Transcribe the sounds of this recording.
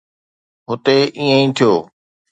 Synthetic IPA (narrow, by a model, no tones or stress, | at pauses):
ɦʊt̪eʔĩːə̃ĩːt̪ʰijoː